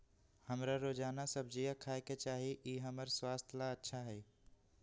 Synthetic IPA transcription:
həmɾaɾoːd͡ʒaːnasəbd͡ʒijakʰaːeket͡ʃaːɦiʔiːɦəməɾswaːst̪ʰlaətːʃʰaɦɛː

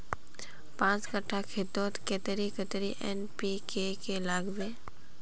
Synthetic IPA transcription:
pãːt͡ʃkəʈʰːakʰet̪oːt̪ket̪əɾikət̪ɾiʔɛnpikekelaːɡbeː

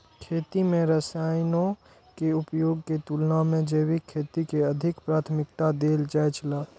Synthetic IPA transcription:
kʰeːt̪imẽɾəsaːjnõ | keʊpjoːɡ̚ket̪ulnamẽd͡ʒeːwikʰeːt̪ikeəd̪ʱɪkpɾaːt̪ʰmɪkt̪ad̪eːld͡ʒajt͡ʃʰlaː

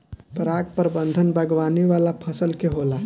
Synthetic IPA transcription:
pɾaɡ̚pəɾbənd̪ʱənbəɡʋaniʋalapʰəsəlkeɦola

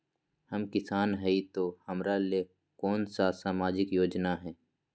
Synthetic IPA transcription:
həmkɪsaːnɦɛit̪oːhəmɾale | kɔːnsasaːmaːd͡ʒɪkjoːd͡ʒnaɦɛː

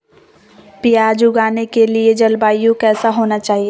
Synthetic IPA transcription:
pɪjaːd͡ʒʊɡaːnekelied͡ʒɐlbaːjõkɛːsaɦoːnat͡ʃaːɦie

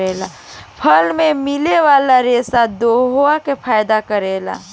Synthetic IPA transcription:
eːla | pʰɐlmẽmɪleʋaːlaɾeːsad̪oːɦoakepʰaːjd̪akəɾeːla̰ː

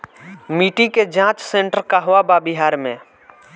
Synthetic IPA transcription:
miʈiked͡ʒãːt͡ʃsẽɳʈəɾkaɦʊababɪɦaːɾmẽ

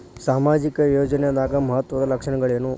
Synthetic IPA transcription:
saːmaːd͡ʒikɐjoːd͡ʒɐnɛɐd̪aːɡɐmɐɦɐt̪ʋɐd̪ɐlɐkʂɐɳɐɡɐɭeːnu

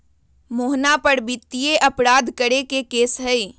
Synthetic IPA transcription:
moːɦnapəɾbɪt̪ːijeʔəpɾaːd̪kəɾekekeːsɦəi

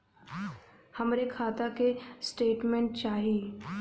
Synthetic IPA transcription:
həmɾekʰaːt̪akesʈeːʈmẽɳʈt͡ʃaːɦi

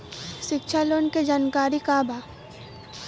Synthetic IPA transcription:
ʃɪkʃʰaloːnked͡ʒaːnkaːɾikaːbʱaː

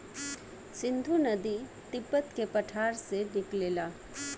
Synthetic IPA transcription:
sɪ̃nd̪ʱunəd̪i | t̪ɪpət̪kepəʈʰaːɾsebɪkleːlaː

